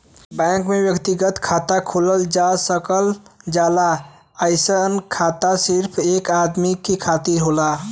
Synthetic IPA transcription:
bãkmebjəkt̪iɡət̪kʰat̪akʰuləld͡ʒasəkəld͡ʒala | əɪsənkʰat̪asiɾpʰekad̪mikekʰat̪iɾɦola

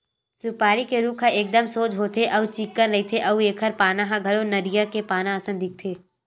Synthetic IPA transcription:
sʊpaːɾikeɾuːkʰaʔeːk̚d̪əmsoːd͡ʒɦoːt̪ʰeʔɐʋut͡ʃikːənɐit̪ʰeʔɐueːkʰəɾpaːnãɦãɡʱɐɾonɐɾijakepaːnãəsə̃nd̪ɪk̚t̪ʰeː

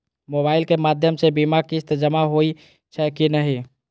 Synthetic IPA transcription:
mobaːɪlkemaːd̪ʱjəmsebimakist̪d͡ʒəmaɦoi | t͡ʃʰɛkinəɦi

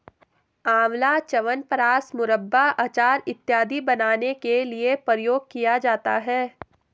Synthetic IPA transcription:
aːʋlat͡ʃɐʋənpəɾaːsmʊɾəbːaʔaːt͡ʃaːɾɪt̪ːjaːd̪ʱibɐnaːnekeliepɾjoːɡ̚kijad͡ʒaːt̪aɦɛː

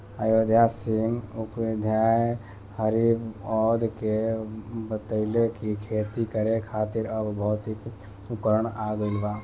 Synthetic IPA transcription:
əjoːd̪jasɪŋɡʊpʋɪd̪ʱjaːj | həɾibɔːd̪kebət̪əlekikʰeːt̪ikəɾẽkʰaːt̪ɪɾɐbbɔːʊt̪ik | ʊpəɾəɳaːɡəlʋaː

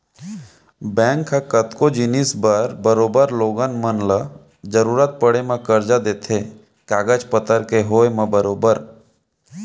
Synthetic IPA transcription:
bɛ̃ːŋkʰːakət̪kod͡ʒɪnisbəɾbəɾoːbəɾloːɡənmənlə | d͡ʒəɾuːɾət̪̚pəɽemãkəɾd͡ʒad̪eːt̪ʰe | kaːɡəd͡ʒpət̪əɾkeɦoːemãbəɾoːbəɾ

